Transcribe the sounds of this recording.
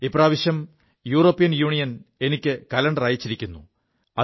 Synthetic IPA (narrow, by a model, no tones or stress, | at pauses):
ipːraːʋiɕjɐm | juːroːpːijɐnjuːɳijɐne̞nikʲːɨkɐlɐɳɖɐraːjit͡ɕːiɾikʲːunːṵ | ɐ